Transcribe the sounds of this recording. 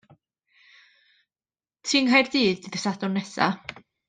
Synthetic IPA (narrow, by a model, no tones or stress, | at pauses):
tʰiːŋɦajrd̥iːðɨðəsadʊnɛsa̰